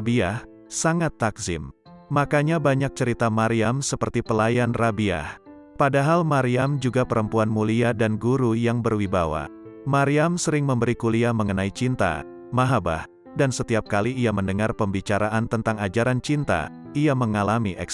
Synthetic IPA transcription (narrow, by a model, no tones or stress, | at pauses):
biah | saŋat̪ːakzɪ̰mː | akaɲabaɲak̚t͡ʃəɾit̪amaɾiamsəpərt̪ipəlajanrabia̰h | padaɦalmaɾiamd͡ʒuɡapəɾəmpuanmuliadanɡuɾujaŋbərwibawa̰maɾiamsəɾɪŋməmbəɾikuliaməŋənait͡ʃint̪a̰ | maɦaba̰h | dansət̪iap̚kaliːaməndəŋarpəmbit͡ʃaɾaʔant̪ənt̪aŋad͡ʒaɾant͡ʃint̪a̰iaməŋalamiʔɛ̰k